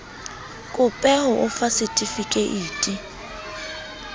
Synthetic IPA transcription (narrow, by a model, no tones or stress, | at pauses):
kʼʊpʼɛhʊʔʊfasɪtʼifikʼeʔiːtʼi